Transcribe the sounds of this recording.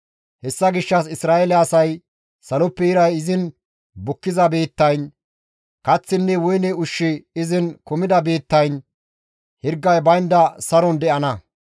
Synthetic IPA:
hɛsːɐɡɪʃːɐs̬ɪsɾaːɛlɛɐsɐj | sɐlɔpːɛjɪɾɐjɪzɪn | bʊkːɪzɐbe̞ːt̪ːɐjn | kɐt͡sːɪnːɛwʊjnɛʊʃːɪɪzɪnkʊmɪd̪ɐbe̞ːt̪ːɐjn | hɪɾɡːɐjbɐjnd̪ɐsɐɾɔnd̪ɛʔɐnɐ

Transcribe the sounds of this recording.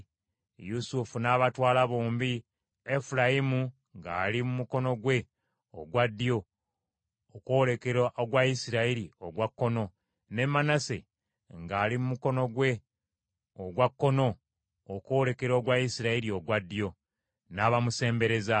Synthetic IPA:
jusufunaβatwaːlaβoːmbi | efulajimu | ŋɡa̰ːlimumuko̞no̞ɡwe̞ | o̰ɡwad̪ːjo̞ | kole̞ke̞ɾaʔoɡwajisiɾaiɾioɡwakːo̞no̞ | ne̞mːanasḛ | ŋɡaːlimumuko̞no̞ɡwe̞ | oɡwakːo̞no̞ | okoːle̞ke̞ɾo̞ːɡwajisiɾaiɾio̞ɡwad̪ːjo̞ | naːβamuse̞ːmbe̞ɾe̞za

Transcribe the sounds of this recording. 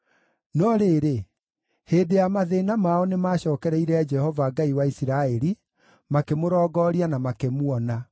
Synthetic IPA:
nɔɾeːɾe | heːdeamaðeːnamaɔnemaːɕɔːkɛɾɛiɾɛad͡ʒɛhɔvaɡaiwaisiɾaɛɾi | makemoɾɔːɡɔːɾianamakemwɔna

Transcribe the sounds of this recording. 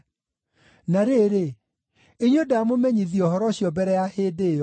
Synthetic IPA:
naɾeɾe | eɲwedaamomɛɲiðiɔɦɔɾɔɕjɔbɛɾɛjahedeːjɔ

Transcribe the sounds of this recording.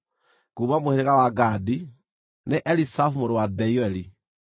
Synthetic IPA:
kuːβamoheɾeɣawaɡadi | neʔɛlisafumoɾowadɛiɛli

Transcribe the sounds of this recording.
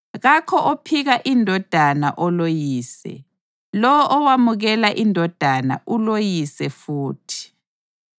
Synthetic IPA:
ɣakʰɔʔɔpʰiɣaʔindʱɔd̥ʱana̰ʔɔlojiːsɛ̰ | lɔwɔʔːwamuɣɛlaʔindʱɔd̥ʱana̰ʔulojisɛfuːtʰi̥

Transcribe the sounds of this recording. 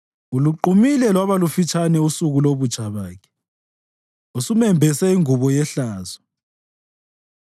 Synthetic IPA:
uluǃumilɛlwaβalufit͡ʃʰʼanɛusuɣuloβu̥t͡ʃʰʼaβaːkʰɛ̥ | usumɛmbʱɛsɛiŋuβɔjɛɬaːzɔ

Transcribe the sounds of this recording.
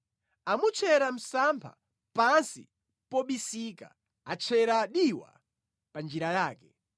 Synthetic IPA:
amut͡ʃʰɛɾam̩sampʰa̰ | pansḭ | pɔɓisika̰ | at͡ʃʰɛɾaɗiwa̰ | pand͡ʒiɾajaːkɛ

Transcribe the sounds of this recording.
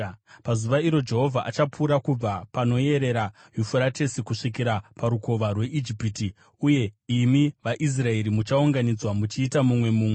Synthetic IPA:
pazuʋaiɾo̞d͡ʒe̞ɦo̞vʱaʔat͡ʃapuɾakub͡vapano̞je̞ɾe̞ɾa | jufuɾate̞sikuʂik̬iɾapaɾuko̞ʋarwe̞ʔid͡ʒipiti | uje̞imiʋaʔis̬rae̞ɾimut͡ʃauŋɡanid͡zwamut͡ʃiːtamumwe̞muːmwe

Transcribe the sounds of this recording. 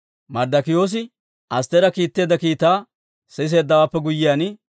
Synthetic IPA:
mɐɾd̪ɐkɪjo̞ːs̬ɪ | ʔɐst̪ɛɾɐkiːt̪ːe̞ːd̪ɐkiːt̪ːaː | sɛɪs̬eːd̪ːɐwaːpːɛɡʊjːɪjaːnɪ

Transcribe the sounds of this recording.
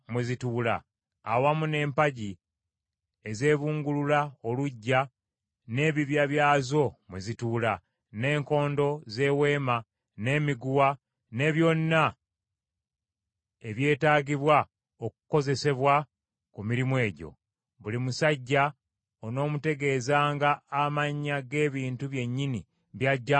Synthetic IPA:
mwezituːla̰ː | wamune̞ːmpaɟi | e̞ze̞ːβuːŋɡululaoluɟːa | ne̞ːβiβjaβjaːzo̞mwezituːla | ne̞ːŋko̞ːndo̞ze̞ːwe̞ːma | ne̞ːmiɡuwa | ne̞ːβjo̞nːa | e̞βje̞ːtaːɡiβwa | oku̥ko̞ze̞se̞βwa | kumiɾimwe̞ːɟo̞̰ | βulimusaɟːa | ono̞ːmute̞ɡe̞ːzaːŋɡaːmaɲːaɡe̞ːβiːntuβje̞ɲːini | βjaɟːa

